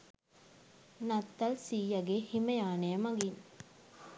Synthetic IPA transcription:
nɐt̪ːɐlsiːjɐɡehimɐjaːneɐmɐɡin

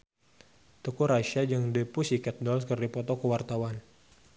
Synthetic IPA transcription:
t̪ukuɾaʃad͡ʒɨŋdəpusikɛt̪̚dɔlskərdipɔt̪ɔkəwart̪awan

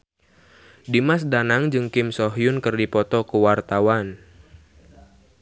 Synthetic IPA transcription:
dimasdanaŋd͡ʒɨŋkɪmsɔɦjʊnkɨrdipɔt̪ɔkəwart̪awan

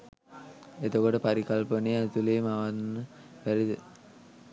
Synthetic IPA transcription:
et̪okoʈəpaɾikalpəneæt̪uleːmaʋanːəpæɾi

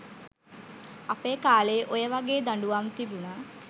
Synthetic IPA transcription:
ɐpeːkaːleʔojɐʋaɡeːd̪ɐɳɖuʋamt̪ibuna

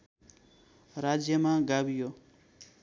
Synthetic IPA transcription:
ɾad͡zjʌmaɡabijo

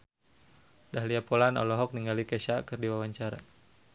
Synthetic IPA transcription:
daɦliapɔlanɔ̰lɔɦɔk̚niŋɡalikɛʃakɨrdiwawaɲt͡ʃaɾa̰

